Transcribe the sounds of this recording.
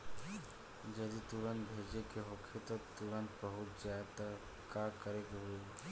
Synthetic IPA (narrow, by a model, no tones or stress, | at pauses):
d͡ʒəd̪it̪uɾənbʱeːd͡ʒekeɦokʰet̪ot̪uɾənt̪̚bəɦʊt̪zjad̪a | kakəɾekɦue